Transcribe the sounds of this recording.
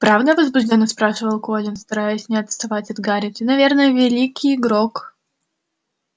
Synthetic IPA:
pɾavd̪əvəzbʊʐdʲonːəspɾaʂɨvəlˠkolʲɪnst̪ɐɾajʊsʲnʲɪɐt̪st̪ɐvatʲɐd̪ɡaɾʲɪt̪ʲɨnɐvʲe̞rnəjəvʲɪlʲikʲijɪɡɾok

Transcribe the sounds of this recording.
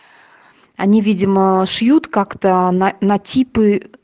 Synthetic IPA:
ɐnʲivʲidʲɪməʂjut̪kakt̪ənɐnɐtʲipɨ

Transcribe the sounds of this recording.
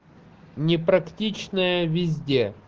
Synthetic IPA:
nʲɪpɾɐktʲit͡ɕnəjəvʲɪzʲdʲe

